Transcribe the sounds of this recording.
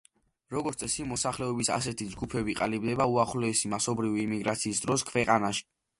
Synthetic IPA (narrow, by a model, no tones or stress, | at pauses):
ɾɔɡɔt̪sʼɛsimɔsaχlɛɔbisa̰sɛt̪ʰid͡ʒɡupʰɛbiqʼalibd̪ɛbauaχlɔɛsimasɔbɾiviːmiɡɾat̪sʰiːsd̪ɾɔskʰvɛqʼanaʃi̥